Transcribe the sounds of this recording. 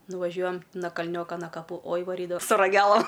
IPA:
nʊʋɐˈʒʲuɔjɛm nɐ kɐlʲˈnʲoːkɐ nɐ kɐˈpuː oːj ʋɐˈrʲiːdɐʋɐ sʊ rɐˈɡʲæːlˠɐm

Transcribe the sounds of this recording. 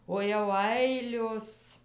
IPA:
oː jɛʊ ˈɐɪlʲoːs

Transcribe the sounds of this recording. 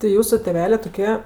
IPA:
tʲɪ ˈjuːsʊ tʲeːˈʋʲæːlʲeː toːˈkʲiɛ

